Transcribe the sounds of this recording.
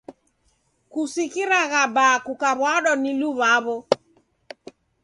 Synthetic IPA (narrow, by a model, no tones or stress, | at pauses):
kusikiɾaɣabakukaβwaɗɔniluβaβɔ